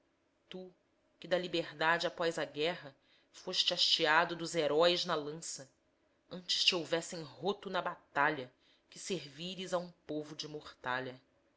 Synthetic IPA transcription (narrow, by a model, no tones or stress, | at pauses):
t̪u | kɪd̪ɐlibehd̪ad͡ʒɪapɔjzɐɡɛɦɐ | foʃt͡ʃɪaʃt͡ʃiad̪ʊd̪ʊzeɾɔiznɐlɐ̃sɐ | ɐ̃nt͡ʃɪ̥ʃt͡ʃiowvɛsẽj̃ɦot̪ʊnɐbat̪aʎɐ | kɪseɾviɾɪzɐũpovʊd͡ʒɪmoχt̪aʎɐ